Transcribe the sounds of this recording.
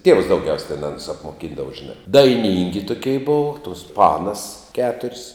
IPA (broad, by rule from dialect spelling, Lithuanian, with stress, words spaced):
tʲiɛws dɐʊˈɡʲɛʊsʲ tʲɛn ˈɑːnʊs ɐpmoːˈkʲɪndɐʋɐ ʒʲɪˈnɑː dɐɪˈnʲiːŋʲɡʲɪ tʊˈkʲɛɪ ˈboːʋɐ tuɔs ˈpɑːnɐs ˈkʲæːtʊrʲsʲ